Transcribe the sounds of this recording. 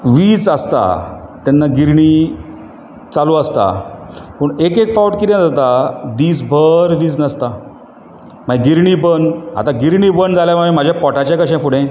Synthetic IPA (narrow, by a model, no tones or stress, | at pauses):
ʋiːd͡zəst̪a̰t̪janːaɡiɾɳi | t͡saluəst̪a̰pəɳekekfawʈkit̪ẽd͡zat̪ad̪iːsbʱəɾʋiːd͡znəst̪a | m̤aiɡiɾɳibənɦa̰t̪ãɡiɾɳiːbənd͡zaljaʋaim̤ad͡ʑʱjapɔʈat͡ɕjãkəɕɛ̃fuɽẽ